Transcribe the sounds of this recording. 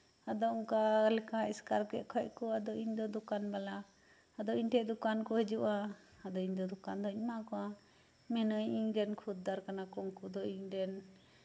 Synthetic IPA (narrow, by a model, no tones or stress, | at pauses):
ad̪ɔɔŋkalɛkaɛskaɾkɛʔkʰəckɔad̪ɔʔiɲd̪ɔd̪ɔkanbalaː | d̪ɔiɲʈɛʔd̪ukankɔhəd͡ʒuʔa | ad̪ɔiɲd̪ɔd̪ɔkand̪ɔiɲmakɔa | mɛnəjiɲdɛnkʰud̪̚ːaɾkanakɔŋkud̪ɔiɲɖɛn